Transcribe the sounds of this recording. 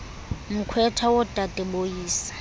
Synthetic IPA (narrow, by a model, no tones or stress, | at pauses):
m̩kʰwɛtʰawɔtʼatʼɛbojiːsḁ